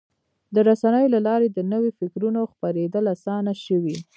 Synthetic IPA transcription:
d̪əɾasanəjolalɑɾed̪ənəwifɪkɾunoxpaɾed̪əlasɑnaʃəwi

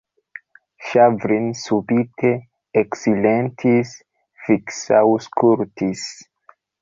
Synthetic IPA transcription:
ʃavɾinsubitʰe | eksilentʰis | fiksawskʰuɾtʰis

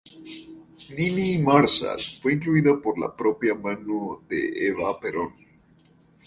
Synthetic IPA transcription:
ninimaɾsa̰lfwe̞iŋkluiðapo̞ɾla̰pɾo̞pjamanuðḛeβapeɾon

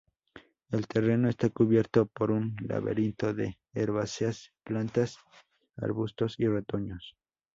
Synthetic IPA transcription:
e̞lt̪ʰe̞re̞noest̪akuβje̞ɾt̪o̞po̞ɾunla̰βḛɾint̪oðeː | ɾβaseasplant̪as | a̰ɾβust̪o̞siret̪o̞ɲos

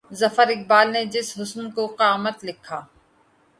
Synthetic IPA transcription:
zɐfəɾɪk̚baːlned͡ʒɪsɦʊsnkoqjaːmət̪lɪkʰːaː

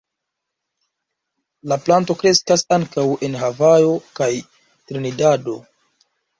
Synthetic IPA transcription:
laplanto̞kɾe̞skasaŋkawe̞nɦavajo̞kaj | tɾenidado̞

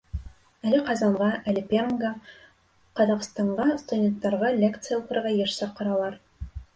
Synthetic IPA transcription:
ælɘqɑzɑɴʁɑælɘpʲerŋɡɑ | qɑzɑq̆st̪ɑɴʁɑst̪udʲent̪ːɑɾʁɑlʲekt̪sɨjaut̪ɤ̆ɾɾʁɑjɘʃsɑqɤ̆ɾɑlˠɑɾ

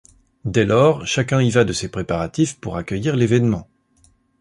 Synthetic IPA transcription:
d̪ɛlɔːʁʃakʲɛ̃ivad̪əsepχepaʁat̪ifpuʁakʲœjiʁlevɛnmɑ̃

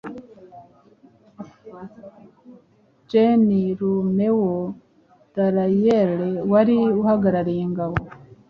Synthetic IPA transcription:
d͡ʒeniɾumewo | d̥aɾajelewaɾiuhaɡaɾaɾiːŋɡawo

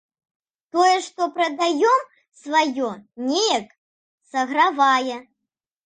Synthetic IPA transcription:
t̪ɔjɛʂt̪ɔpɾɐd̪ajɔm | svajɔnʲejɐk | sɐɣɾavajɛ

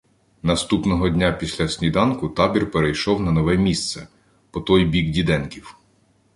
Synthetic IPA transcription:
nɐst̪upnɔɦɔdʲnʲapʲisʲlʲɐsʲnʲid̪ɑnkʊt̪ɑbʲirpeɾejʃɔwnɐnɔʋɛmʲist̪sɛ | pɔt̪ɔjbʲiɡdʲid̪ɛnkʲiw

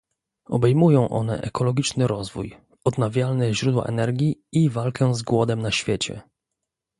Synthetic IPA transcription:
ɔbɛjmujɔ̃w̃ʔɔ̰n̪ɛ̰ʔɛkɔlɔɡʲit͡ʂnɘɾɔzvuj | ɔd̪navʲjalnɛʑɾud̪wa̰ʔɛnɛɾɡʲjiivalkʰɛzɡwɔd̪ɛmnaɕfʲjet͡ɕɛ̰

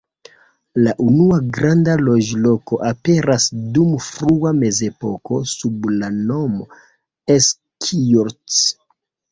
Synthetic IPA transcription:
laʔunuaɡɾandalo̞d͡ʒlo̞ko̞ʔape̞ɾasdumfɾuame̞ze̞po̞ko̞sublano̞mo | es | kʰioɾt͡s

